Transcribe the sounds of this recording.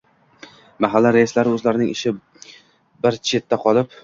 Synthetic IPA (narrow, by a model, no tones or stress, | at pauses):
maɦalːaɾajɪslaɾɪɵzlaɾɪnɪŋɪʃɪ | bɪɾt͡ʃʰe̞t̪ʰːaqʰɒlˠɪp